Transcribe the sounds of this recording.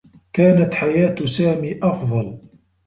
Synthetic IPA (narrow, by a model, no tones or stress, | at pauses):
kaːnat̪ħajaːt̪saːmiːʔɑfðˤɑl